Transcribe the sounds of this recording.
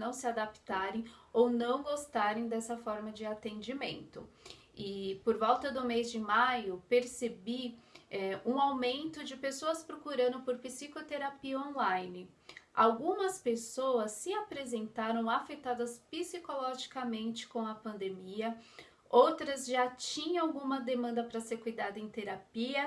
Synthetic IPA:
nɐ̃w̃sɪad̪apt̪aɾẽj̃ownɐ̃w̃ɡost̪aɾẽj̃d̪ɛsɐfɔɾmɐd͡ʒɪat̪ẽnd͡ʒimḛ̃nt̪ʊ | ɪpoɾvɔwt̪ɐd̪ʊmezd͡ʒɪmajʊpeɾsebiɛũawmẽnt̪ʊd͡ʒɪpesoɐspɾokuɾɐ̃d̪ʊpoɾpisikot̪eɾapiɐõlajnɪ | a̰wɡũmɐspesowɐsːɪapɾezẽnt̪aɾɐ̃w̃afet̪ad̪ɐspisikolɔʒikɐmẽnt͡ʃɪ̥kõw̃ɐpɐ̃nd̪emiɐ | owt̪ɾɐzʒat͡ʃĩɲɐ̃awɡũmɐd̪emɐ̃nd̪ɐpɾɐseɾkujd̪ad̪ɐẽj̃t̪eɾapiɐ

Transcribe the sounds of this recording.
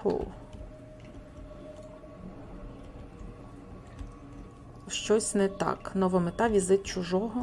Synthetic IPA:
ʊ̰ | ʃt͡ʃɔsʲnɛt̪ɑ̰knɔʋɔmet̪ɑʋʲizɪt̪̚t͡ʃʊʒɔɦɔ

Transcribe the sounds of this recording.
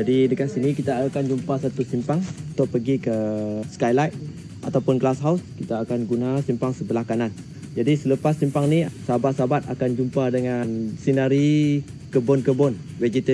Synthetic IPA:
d͡ʒadidəkansinikit̪akand͡ʒumpasat̪usimpaŋut̪ʊʔ̚pəɡikəskajlajt̪̚ | ʔat̪awpʊnɡlasɦawskit̪aːkanɡunasimpaŋsət̪əlahkanan | d͡ʒadisələpasːimpaŋnisabat̪̚sabat̪̚akand͡ʒumpadəŋansinaɾikəbɔnkəbɔn | wed͡ʒit̪ə

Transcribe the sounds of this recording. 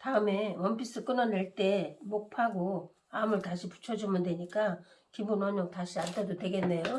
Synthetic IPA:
taɯme̞wʌmbis͈ɯk͈ɯnʌneɭt͈e̞mok̚pʰaɡo | amɯɭtaɕʰipu̥t͡ɕʰʌd͡ʑumɯndwe̞ɲik͈akimbunʌɲʌŋ̚taɕʰiantʰedodwe̞ɡe̞nːe̞jo

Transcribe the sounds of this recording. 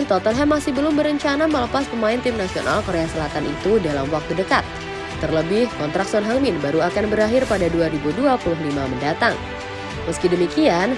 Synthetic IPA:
nt̪ɔt̪ənɦɛmːasɪhbəlʊmbəɾəɲt͡ʃanamələpaspəmaɪnt̪ɪmnasiona̰lkoɾeasəlat̪anḭt̪udalamwak̚t̪udəkat̪̚ː | ərləbɪhkɔnt̪ɾak̚sɔnɦaŋmɪnbaɾuakanbəɾaɦɪrpadaduaɾibuduapulʊɦlimaməndat̪aŋ | məskidəmikian

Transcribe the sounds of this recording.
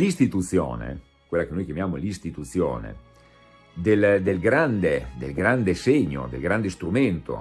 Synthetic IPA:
list̪it̪ut̪sːjo̰ːnḛ | kwelːakenojk̟jamjaːmolist̪it̪ut̪sːjo̰ːnḛ | d̪eld̪elɡɾand̪ed̪elɡɾand̪eseɲːo̰d̪ḛlɡɾand̪est̪ɾument̪o̰

